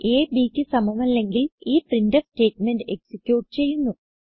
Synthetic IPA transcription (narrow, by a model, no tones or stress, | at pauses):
eːbiːkʲːɨsɐmɐmɐlːe̞ŋɡiliːprindɐste̞ːʈmenɖɨe̞ksikʲjuːʈːɨ̥t͡ɕe̞jːunːu